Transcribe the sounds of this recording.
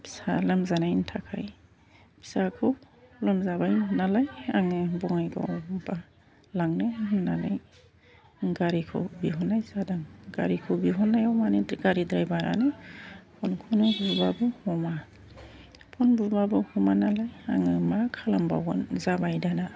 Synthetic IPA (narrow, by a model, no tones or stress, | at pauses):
pi̥sa̰lamzanajntʰakʰa̰j | bʰi̥sakʰɯwlɔmzabajnalajaŋɯbɔŋajɡʰa̰wba | laŋnɯnːala̰j | ɡaɾikʰɯ̰wbiɦɔnːajzadaŋɡa̰ɾikʰɯwbiɦɔnːajawmanɯdɡaɾidɾajbaɾa̰nɯpʰɔnkʰunɯbubabɯhɔma | pʰɔnbubabɯhɔmanalaja̰ŋɯmakʰalamba̰wɡɔnzabajdana